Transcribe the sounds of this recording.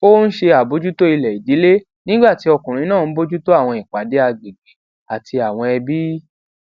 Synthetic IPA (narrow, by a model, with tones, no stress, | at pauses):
o˦n̩˦ʃe˧a˨bo˨˦d͡ʒu˦to˦i˧lɛ˨i˨di˨˦le˦ | nĩ˦ɡ͡ba˦˨ti˧˦ɔ˧kũ˨ɾ̃ĩ˨˦nãː˦˨n̩˦bo˦d͡ʒu˦to˦a˦˨w̃ɔ̃˧i˨k͡pa˨˦de˦a˧ɡ͡be˨ɡ͡be˨ | a˨tʰi˧a˨w̃ɔ̃˧ɛ˧bi˦